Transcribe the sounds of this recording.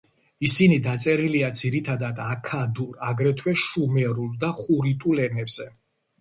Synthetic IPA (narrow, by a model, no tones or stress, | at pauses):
isinid̪at̪sʼɛɾiliad̪ziɾit̪ʰad̪ad̪akʰad̪uɾaɡɾɛt̪ʰwɛʃumɛɾulˠd̪aχuɾit̪ʼulɛnɛbz̥ɛ